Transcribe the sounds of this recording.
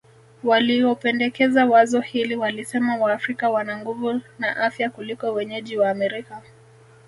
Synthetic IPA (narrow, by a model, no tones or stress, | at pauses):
waliɔpɛndɛkɛzawazɔhiliwalisɛmawaːfɾikawanaŋɡuvunaʔafjakulikɔwɛɲɛʄiwaːmɛɾika